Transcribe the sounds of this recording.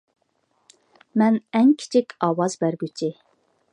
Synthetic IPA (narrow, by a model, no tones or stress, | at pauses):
mɛnɛŋkʲʰi̥t͡ʃʰikʲʰɑːwɑzbæɾɡʲyt͡ʃʰi